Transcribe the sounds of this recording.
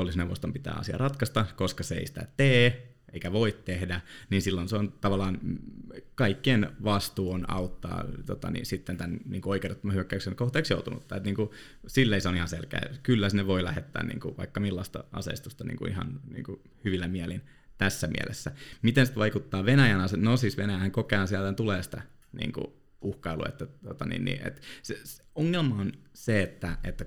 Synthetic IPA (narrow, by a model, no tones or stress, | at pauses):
olːisneʋost̪ompit̪æ̰ːɑ̰siɑ̰rɑt̪kɑst̪ɑkoskɑseḛisi̥t̪æ̰t̪eː | eikæʋoit̪tehdæninsilːonseont̪ɑʋɑlːɑːn | kɑikːienʋɑst̪uːonɑ̰ut̪ːɑ̰ːt̪ot̪ɑ̰nḭnsit̪ːent̪ænniːŋkuoikeret̪ːomɑhyøkːæyksenkoht̪eːksjout̪unṵt̪ːɑet̪niːŋku | silːeiseonihɑnselkæ̰ːkylːæsneʋoilæhet̪ːæ̰ːnnḭːŋkuʋɑ̰ikːɑmilːɑst̪ɑ̰ɑ̰sḛist̪ust̪ɑnḭːŋkṵḭhɑ̰nnḭːŋku | hyʋilːæmiɛlin | t̪æsːæmḭæ̰lʔḛsːæmit̪ensit̪ʋɑikut̪ːɑːʋenæjænɑsenosiːsʋenæjæhæŋkokehɑnsiælt̪ænt̪uleːsi̥t̪æ | nḭːŋkṵ | uhkɑilṵḛt̪ːæt̪ot̪ɑnḭːnnḭʔḛt̪se | oŋːelmɑonseet̪ːæet̪ːæ